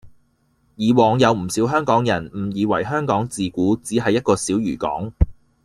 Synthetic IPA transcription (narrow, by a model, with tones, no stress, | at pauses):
jiː˨˧wɔː˨˧ŋjɐ˨˧wm̩˨˩siː˨˥wɦœː˥ŋkɔː˨˥ŋjɐ˨˩nm̩˨˩jiː˨˧wɐ̰˨˩jɦœː˥ŋkɔː˨˥ŋt͡siː˨kuː˨˥t͡siː˨˥ɦɐ˨jːɐ˥t̚kɔː˧siː˨˥wjyː˨˩kɔ̰ː˨˥ŋ